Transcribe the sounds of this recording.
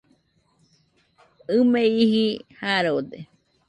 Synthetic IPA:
ɨmẽihihaɾood̪e

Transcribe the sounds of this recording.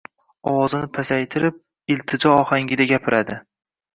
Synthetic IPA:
ɒwɒzɪnɪpʰasajt̪ʰɪɾɪp̚ | ɪlt̪ʰɪd͡ʒɒɒhaŋɡʲɪd̪aɡʲapʰɪɾʔad̪ɪ

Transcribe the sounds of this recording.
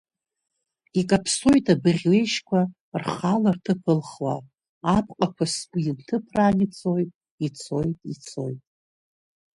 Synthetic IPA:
ikʼapʰso̞jtʰʼabɨʁʲle̞jʃkʷʰa | rχalartʰɨpʰɨlχwa̰ | apʰʼqʼakʷʰasɡʷuintʰɨpʰranit͡sʰojtʼ | it͡sʰojtʼit͡sʰo̞̰jtʼ

